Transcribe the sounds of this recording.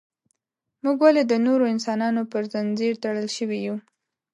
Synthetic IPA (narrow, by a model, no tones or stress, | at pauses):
muɡwaled̪ənoɾoɪns̬ɑnɑnopəɾzanzeɾt̪aɽəlʃəwiju